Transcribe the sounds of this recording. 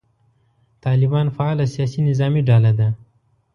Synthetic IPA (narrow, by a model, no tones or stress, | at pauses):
t̪ɑlɪbɑnfaɑlasijɑsinɪzɑmiɖɑlad̪a